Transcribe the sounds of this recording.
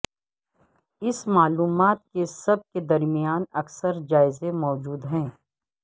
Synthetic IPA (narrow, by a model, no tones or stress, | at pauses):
ɪsmaːluːmaːt̪̚kesɐb̚ked̪ɐɾmijaːnɐksəɾd͡ʒaːɪzẽmɔːd͡ʒuːd̪ɦɛ̃ː